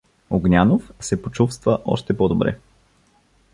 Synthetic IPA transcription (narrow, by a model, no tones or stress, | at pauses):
oɡnʲanofsɛpot͡ʃufst̪vəʔɔ̰ʃt̪ɛpod̪obɾɛ̰